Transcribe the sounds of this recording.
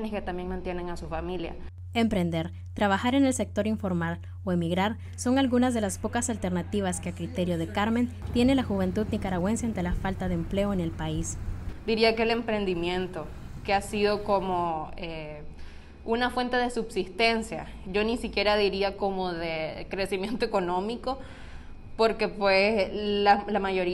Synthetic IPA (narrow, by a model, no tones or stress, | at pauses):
neske̞t̪ambje̞ŋmãnt̪je̞ne̞ŋasufamilja̰ | e̞mpɾe̞nd̪e̞ɾ | t̪ɾaβaxaɾe̞ne̞lse̞k̚t̪o̞ɾiɱfo̞ɾmaɾ | oe̞miɣɾaɾ | so̞ŋalɣunazðe̞laspo̞kasalt̪eɾnat̪iβaskeakɾit̪e̞ɾjo̞ð̞e̞kaɾme̞nt̪je̞ne̞laxuβ̞e̞nt̪uðnikaɾaɣwe̞nsjaent̪e̞lafalt̪aðeːmple̞oene̞lpaisd̪̥iɾiakele̞mpɾe̞nd̪imjẽ̞nt̪o̞keasiðo̞komoe | unafwe̞nt̪e̞ðe̞subsist̪e̞nsja̰ | ʝo̞nisikje̞ɾaðiɾiako̞moðekɾe̞simjẽ̞nt̪o̞eko̞nõ̞miko̞ | poɾke̞pwelalamaʝo̞ɾi